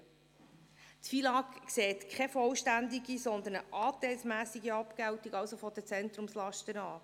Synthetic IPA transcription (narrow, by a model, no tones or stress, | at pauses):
tfilɑkkseːt̪kʰχɛfɔlʃtænd̪iɡisɔnd̪ənəʔɑːt̪ɛlsmæːsiɡiɑpkæwtiɡɑwsofɔd̥ət͡sɛnt̪ɾumslɑʃtənɑː